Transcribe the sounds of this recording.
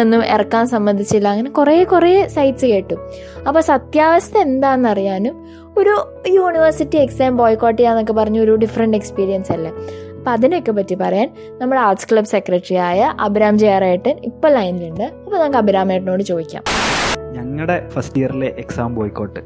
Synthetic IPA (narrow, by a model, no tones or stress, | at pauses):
enːumḛrɐkːaːnsɐmbɐnd̪ʱit͡ɕːlːɐɐŋːɐnekureːkureːsɐjʈsɨke̞ːʈːu | ɐpːosɐt̪jaːʋɐst̪ɐe̞nd̪aːenːɐrijaːnum | o̞ɾu | juːɳiʋɐrsitːieksaːmboːjkːoːʈːijanːo̞kːe̞pɐrɐɲːuo̞ɾuɖifɐrɐɳɖe̞kspiːɾijɐnsɐlːɐ | ɐpːoɐðinokːe̞p̬ːɐtːipɐrɐjaːn | nɐmːuɽeaːʈskɭɐbse̞kːrɐʈːrijaːjɐʔɐbʱiɾaːmt͡ɕejaraːjiʈːɨipːoɭɐjniluɳɖɨɐpːonɐːkɐbiɾaːmajʈːɨnoːɽɨt͡ɕo̞ːd̪ikʲːa̰ːmɲɐŋːɐɽe̞fɐstijɐɾileʔeksaːmboːjkːoːʈːɨ